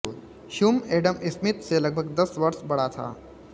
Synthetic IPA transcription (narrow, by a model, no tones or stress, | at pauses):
ʃʊmeːɖəmɪsmɪt̪selɐɡ̚bʱəɡd̪ɐsʋɐɾsbɐɽ̤at̪ʰa̰ː